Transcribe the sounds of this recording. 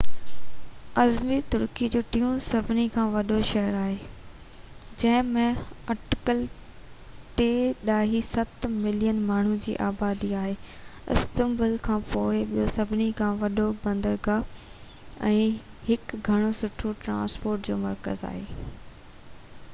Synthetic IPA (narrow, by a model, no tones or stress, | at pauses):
ɐzmiːɾt̪ʊɾkid͡ʑoːʈĩːũsɐbʱɪnikʰãːʋɐɗoʃɐɦəɾaːɦeː | d͡ʑɐ̃ɦɪ̃mẽɐɾʈɪ̥kəl | t̪eɗaːɦisɐt̪mɪlijənmaːɳ̤ũd͡ʑḭːʔaːbaːd̪iaːɦeːɪ̰st̪ə̃mbəlkʰãːpoːɪɓijosɐbʱɪnikʰãːʋɐɗobɐ̃nd̪əɾɡa | ɛ̰̃ː | hɪkɡʱɐɽ̃osʊʈʰoʈɾã̰ːspoːɾʈd͡ʑo̰ːmɐɾkə̰za̰ːɦeː